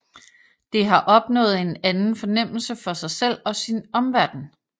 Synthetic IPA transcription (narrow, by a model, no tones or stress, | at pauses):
d̥e̝ɦɑ̈ʔɒ̽b̥nɔ̰̽ːð̞̩ˠe̝nænn̩fɒ̽nem̰l̩səfɒ̽sɑ̈ɪsel̰ɒ̽sinɒ̽mʋæɐd̥n̩